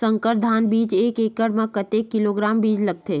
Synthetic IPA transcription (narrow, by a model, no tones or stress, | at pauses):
sə̃ŋkəɾd̪ʱaːnbiːt͡ʃeːkeːkəɽmẽkət̪ekːɪloɡɾaːmbiːd͡ʒləɡ̚t̪eː